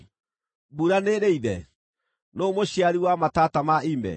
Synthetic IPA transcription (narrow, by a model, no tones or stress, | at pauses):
buɾaneɾeiðɛ | nomoɕiaɾiwamatatamaimɛ̰